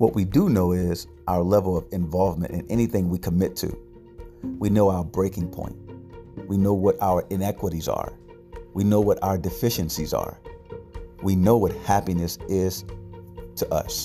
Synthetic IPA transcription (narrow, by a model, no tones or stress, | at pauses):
wʌʔ̚widənoʊɪz | ʔaʊə˞lɛvl̩ˠʌvɨ̃ɱvɑlˠvmɨ̃ntʔɨ̰̃nɛñiθɪ̃ŋwikʰəmɪtʰɨ̰ | winoʊaʊə˞bɹeɪkɪ̃ŋpʰɔ̰̃ɪ̃nt̚winoʊwʌɾaʊə˞ʔɨ̃nɛkwəɾizə̰˞ | winoʊwʌɾa̰ʊə˞dɨfɪʃɨ̃nsizə̰˞ | winoʊwʌt̚hæpinɨsɪz̥ | tʰɨʔʌ̰s